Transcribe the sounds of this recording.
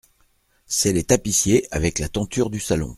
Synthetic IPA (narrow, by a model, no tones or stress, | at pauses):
sɛlet̪apisjeavɛklat̪ɑ̃t̪yʁd̪ysalɔ̰̃